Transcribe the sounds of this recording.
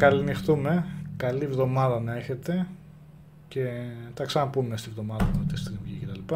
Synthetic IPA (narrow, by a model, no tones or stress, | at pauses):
kɐlinixt̪ume̞kɐlivðo̞mɐðɐnɐe̞çe̞t̪e̞ | ce̞t̪ɐksɐnɐpume̞st̪ivðo̞mɐðɐt̪ot̪ist̪ɾimʝicet̪ɐlipɐ